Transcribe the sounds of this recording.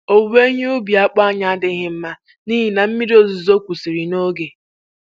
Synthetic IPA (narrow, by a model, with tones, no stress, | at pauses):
o˨ɡ͡be˦ɲe˦ʊ˦bi˨a˦k͡pa˦a˨ɲa˦a˦dɪ˦ɦɪ˨m̩˦ma˦ | ni˦ɦi˨na˨m̩˦mi˦do˦˨zu˨zo˦kʷu˨si˨ɾi˨no˦ɡe˨